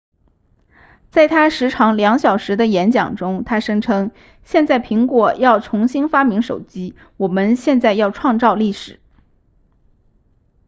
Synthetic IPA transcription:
t͡sa˥˩ɪt̪ʰa˥ʂɻ̩˧˥ʈ͡ʂʰɑ˧˥ŋljɑ˧˥ŋɕjɑ˨˩ʊʂɻ̩˧˥d̪ə˧jɛ˧˥nt͡ɕjɑ̰˨˩ŋʈ͡ʂʊ˥ŋt̪ʰa˥ʂɤ˥ŋʈ͡ʂʰɤ˥ŋ | ɕjɛ˥˧nt͡sa˥˩ɪpʰi˧˥ŋkwɔ˨˩jɑ˥˩ʊʈ͡ʂʰʊ˧˥ŋɕi˥nfa˥mi˧˥ŋʂo˨˩ʊt͡ɕi˥ | wɔ˨˩mə˦nɕjɛ˥˧nt͡sa˥˧ɪjɑ˥˧ʊʈ͡ʂʰwɑ˥˧ŋt͡sɑ˥˧ʊli˥˩ʂɻ̩˨˩˦

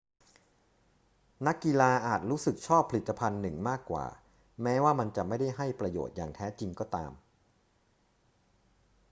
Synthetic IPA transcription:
na˦˥kːi˧laː˧ʔaː˨˩t̪̚ɾuː˦˥sɯ˨˩k̚t͡ɕʰɔː˥˩pʰa˧li˨˩t̪ːa˧pʰa˧nːɯ˨˩ŋmaː˥˩kːwa̰ː˨˩ | mɛː˦˥waː˥˩ma˧nt͡ɕa˨˩ma˥˩jda˥˩jɦa˥˩jpɾa˧jo̰ː˨˩t̪̚ja̰ː˨˩ŋt̪ʰɛː˦˥t͡ɕi˧ŋkɔː˥˩t̪a̰ː˧m

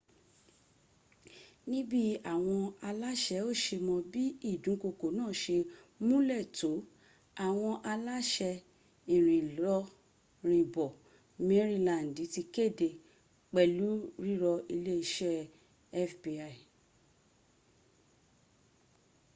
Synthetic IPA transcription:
nĩ˦bi˦a˨w̃ɔ̃˧a˧la˦ʃɛ˧˦o˦˨ʃe˧mɔ̃˧bi˦i˦˨dũ˨˦ko˧ko˨˦nãː˦˨ʃe˧ | mũ˦lɛ˦˨to˨˦ | a˦˨w̃ɔ̃˧ʔa˧la˦ʃɛ˧ | i˨ɾ̃ĩ˨lɔ˧ | ɾ̃ĩ˨bɔ˨ | me˨˦ɾi˦˧lã˨n̩˨di˨˦ti˧ke˦˨de˧˨ | k͡pɛ˨lu˨˦ɾi˦ɾɔ˧i˧le˦i˧ʃɛ˦ | ɛ˦fbi˧a˨i˨

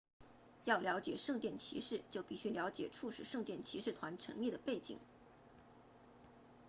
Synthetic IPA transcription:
jɑ˥˩ʊljɑ˧˥ʊt͡ɕjɛ˨˩ʂɤ˥˧ŋt̪jɛ˥˩nt͡ɕʰḭ˧˥ʂɻ̩˥˩t͡ɕjo˥˧ʊpi˥˩ɕy˥ljɑ˧˥ʊt͡ɕjɛ̰˨˩ʈ͡ʂʰu˥˧ʂɻ̩˨˩ʂɤ˥˧ŋt̪jɛ˥˩nt͡ɕʰi˧˥ʂɻ̩˥˩t̪ʰwa˧˥nʈ͡ʂʰɤ̰˧˥ŋli˥˩d̪ə˩pe˥˩ɪt͡ɕḭ˨˩˦ŋ

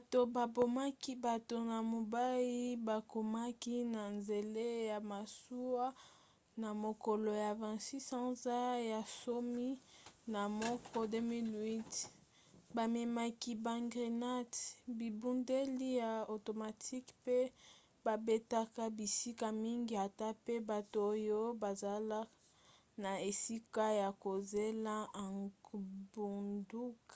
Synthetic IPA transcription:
ba˨to˨ba˨bo˨ma˦ki˦ba˨to˨na˨mo˨ba˦ji˦ba˨ko˨ma˦ki˦na˨nze˨le˦ja˨ma˨su˦wa˦ | na˨mo˨ko˨lo˨ja˨vɛ̃˨si˦sã˦za˦ja˨so˦mi˦na˨mɔ˦kɔ˦de˦mi˦lwi˦t | ba˨me˨ma˦ki˦ba˨ŋɡʁi˨na˦tbi˨bu˦nde˦li˦ja˨o˨to˨ma˨tʰi˦kpe˦ | ba˨be˦ta˦ka˦bi˨si˦ka˨mi˦ŋɡi˦a˨ta˦pe˦ba˨to˨o˦jo˦ba˨za˨la˦ | na˨e˨si˦ka˦ja˨ko˨ze˦la˦a˨ | bu˨ndu˦ka˨

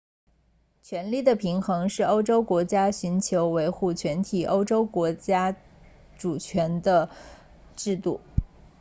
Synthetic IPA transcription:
t͡ɕʰɥɛ˧˥nli˥˩d̪ə˩pʰi˧˥ŋxɤ˧˥ŋʂɻ̩˥˩o˥ʊʈ͡ʂo˥ʊkwɔ˧˥t͡ɕja˥ɕy˧˥nt͡ɕʰjo˧˥ʊwe˧˥ɪxu˥˩t͡ɕʰɥɛ˧˥nt̪ʰi˨˩ʔo˥ʊʈ͡ʂo˥ʊkwɔ˧˥t͡ɕja˥ | ʈ͡ʂu˨˩t͡ɕʰɥɛ˧˥nd̪ə˧ | ʈ͡ʂɻ̩˥˧t̪u˥˩

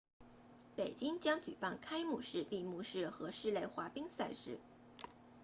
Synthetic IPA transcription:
pe˨˩ɪt͡ɕi˥ŋt͡ɕjɑ˥ŋt͡ɕy̰˨˩pa˥˩nkʰa˥ɪmu˥˩ʂɻ̩˥˧pi˥˧mu˥˧ʂɻ̩˥˩xɤ˧˥ʂɻ̩˥˧le˥˩ɪxwa˧˥pi˥ŋsa˥˧ɪʂɻ̩˥˩

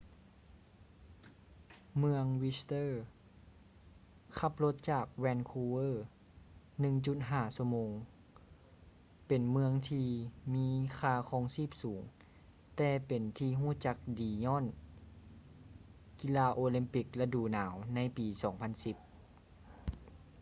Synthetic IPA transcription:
mɯ˧əŋwi˧st̪ɤː˥˨ | kʰa˧˥˩p̚lo˧˥t̪̚t͡ɕaː˨˩k̚wɛː˧nkʰuː˧wɤː˧˥˩ | nɯ˧˨ŋt͡ɕu˧˩t̪̚ɦaː˧˩su˧˩əmoː˧ŋ | pe˨˩nmɯ˧əŋt̪ʰiː˧miː˧˥kʰaː˧kʰɔː˧˩ŋsiː˥˩p̚suː˩˦ŋ | t̪ɛː˧pe˨nt̪ʰiː˧ɦuː˧˥˩t͡ɕa˧˦˥k̚diː˨˩ɲɔː˧˥˨n | ki˧˨laː˧ʔoː˧li˧˦mpi˧˩k̚la˧duː˧˩naː˩˦wna˧˥jpiː˨˩sɔː˩˦ŋpʰa˧˥˨nsi˧˦p̚

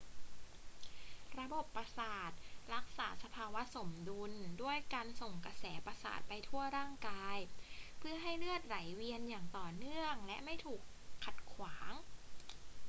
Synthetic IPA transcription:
ɾa˧bo˨˩pːɾa˧saː˨˩t̪̚ɾa˦˥k̚saː˩˦sa˧pʰaː˧wa˦˥so˩˦mdu˧ndu˥˩əjkaː˧nso˨˩ŋka˧sɛː˩˦pɾa˧sa̰ː˨˩t̪̚pa˧jt̪ʰu˥˩ɐɾaː˥˩ŋkaː˧jpʰɯ˥˩ɐɦa˥˩jlɯ˥˩ət̪̚ɾa˩˦jwi˧ənjaː˨˩ŋt̪ɔː˨˩nɯ˥˩əŋlɛ˦˥ma˥˩jt̪ʰuː˨˩kʰː | a˨˩t̪̚kʰwaː˩˦ŋ

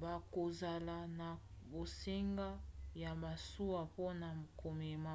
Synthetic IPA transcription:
ba˨ko˨za˨la˨na˨ | bo˨se˦ŋɡa˦ja˨ba˨su˦wa˨po˦na˨kʰo˨me˨ma˦

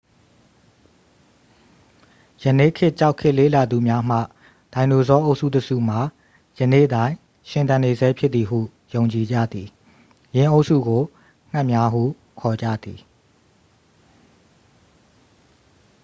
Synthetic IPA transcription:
jə˨nḛ˦˨kʰɪ˦ʔt͡ɕa˦ʊkʰɪ˦ʔle˦˨la˨d̪u˨mja˦m̥ä̰˦˨ | d̥ã˨ɪ̃ndo˨zɔ˦ʔo˦ʊʔsṵ˦˨təsṵ˦˨m̥a˨ | jənḛ˦˨ʔədã˦ɪ̃ | ʃɪ̃˨nt̪ã˨ne˨zɛ˦pʰjɪ˦t̪̚t̪ːi˨ɦṵ˦˨ | jõ˨ʊ̃ɲt͡ɕi˨d͡ʑä̰˦˨d̪ði˨ | jɪ̃˨ʔo˦ʊʔsṵ˦˨ɡo˨ | ŋ̥a˦ʔmja˦ɦṵ˦˨ | kʰɔ˨d͡ʑä̰˦˨d̪i˨

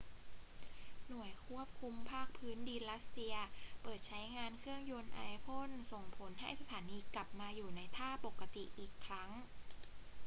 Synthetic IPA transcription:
nu˨˩əjkʰu˥˩əp̚kʰu˧mpʰaː˥˩k̚pʰɯː˦˥ndi˧nɾa˦˥t̪̚si˧ɐpɤː˨˩t̪̚t͡ɕʰa˦˥jŋaː˧nkʰɯ˥˩əŋjo˧nʔaː˧jpʰo˥˩nso˨˩ŋpʰo˩˦nɦa˥˩jsa˧t̪ʰaː˩˦niː˧kla˨˩p̚maː˧juː˨˩na˧jt̪ʰaː˥˩po˨˩kːa˧t̪i˨˩ʔiː˨˩kʰːɾa˦˥ŋ

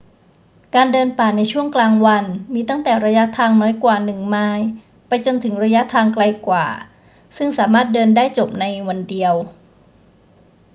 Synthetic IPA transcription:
kaː˧ndɤː˧npaː˨˩na˧jt͡ɕʰu˥˩əŋklaː˧ŋwa˧nmiː˧t̪a˥˩ŋt̪ɛː˨˩ɾa˧ja˦˥ʔt̪ʰaː˧ŋnɔː˦˥jkwaː˨˩nɯ˨˩ŋmaː˧j | pa˧jt͡ɕo˧nt̪ʰɯ˩˦ŋɾa˧ja˦˥t̪ʰaː˧ŋkla˧jkwa̰ː˨˩ | sɯ˥˩ŋsaː˩˦maː˥˩t̪̚dɤː˧ndaː˥˩jt͡ɕo˨˩p̚na˧jwa˧ndi˧əw

